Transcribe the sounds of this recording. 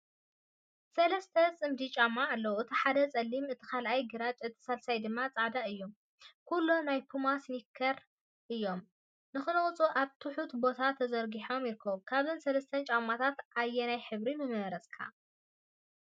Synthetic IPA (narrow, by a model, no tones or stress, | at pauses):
sɐlɐst̪ʰɐt͡sʼɨmd̪it͡ʃʼamːaːlːɐwɨt̪ʰiħad̪ɐt͡sʼɐlːimɨt̪ʰi̥kalʔajɡɨɾat͡ʃʼɨt̪ʰi̥salsajd̪ɨmːat͡sʼaʕd̪aɨjːom | kʰulːonajpʰumasnikʰːɐɾ | ʔɨjːo̞m | nɨxɨnɨχʼt͡sʼoʔaβt̪ʰɨħut̪bo̞t̪ʰat̪ʰɐzɐɾɡiħo̞mjɪɾkʰːɐβukʰaβzɨnsɐlɐst̪ʰɐnt͡ʃʼamːat̪ʰat̪ʔajːɛnajħɨβɾimɨmɐɾɐsʼkʰa̰